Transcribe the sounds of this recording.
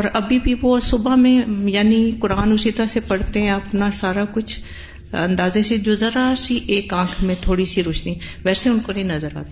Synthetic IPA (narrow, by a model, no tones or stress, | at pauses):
ɔːɾɐbʱibʱiʋosʊbamẽjaːnikʊɾaːnʊsit̪ɾasepɐɽ̤t̪eɦɛ̃ɐpnasaːɾakʊt͡ʃʰ | ɐ̰̃nd̪aːzesed͡ʒʊzəɾasiʔeːkãːkʰmẽt̪ʰoːɽisiɾʊʃniʋɛːseʊnkonɐ̃ĩnɐzəɾa̰ːt̪e